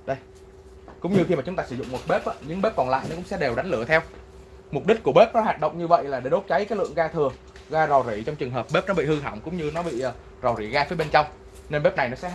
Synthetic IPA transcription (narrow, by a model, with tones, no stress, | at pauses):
ɗə˧j | kʊ̰˧˥wŋ͡mɲɨ˧xi˧maː˨˩t͡ɕʊ˨˦ŋ͡mt̪aː˧sɨ˧˩˦zʊ̰˧˨ŋ͡mmo˨˩t̚ɓe˦˥p̚ʔaː˨˧˦ɲɨ˧ŋɓe˦˥p̚kɔ˨˩nla̰ː˧˨jnɔ˨˦kʊ̰˧˥ŋ͡msɛ̰˧˥ɗe˨˩wɗa˨˦jŋ̟lɨ˧˩ət̪ʰɛ˧w | m˨˩k͡p̚ɗi˦˥k̟̚ku˧˩əɓe˦˥p̚nɔ˨˦ɦwaː˨˩t̚ɗə̰˧˨wŋ͡mɲɨ˧və̰˧˨jlaː˨˩ɗe˧˩ɗo˦˥t̚t͡ɕa˨˦jkaː˨˦jlɨ̰˧˨əŋɣaː˧t̪ʰɨ˨˩ə | ɣaː˧zɔ˨˩zḭ˧˩t͡ɕɔ˧wŋ͡mt͡ɕɨ˨˩ŋɦəː˨˩p̚ɓe˦˥p̚nɔ˨˦ɓḭ˧˨hɨ˧ɦa˧˩wŋ͡mkʊ̰˧˥ŋ͡mɲɨ˧nɔ˨˦ɓḭː˧˨˩ | zɔ˨˩wzi˧˩ɣaː˧fiː˨˦ɓe˧nt͡ɕa˧wŋ͡m | ne˧nɓe˦˥p̚na˨˩jnɔ˨˦sɛ̰˧˥